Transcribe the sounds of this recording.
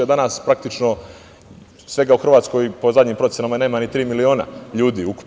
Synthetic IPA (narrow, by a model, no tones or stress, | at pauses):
od̪anaːspɾak̚t̪it͡ʃno̞ | sʋe̞ɡauxr̩ʋaːt̪sko̞jpo̞zad̪ʲɲiːmpɾot̪sjenamajenamaɲit̪ɾiːmilio̞ːna̰ʎuːd̪iːuku̥p